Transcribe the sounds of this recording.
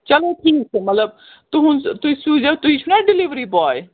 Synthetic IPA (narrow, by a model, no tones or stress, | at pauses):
t͡ʃɐloʈʰiːksʰemɐt̪ləb̚ | t̪uɦʊnst̪ʊisuːd͡ʒet̪ʊit͡ʃʰunaɖɪliʋɾibɔːj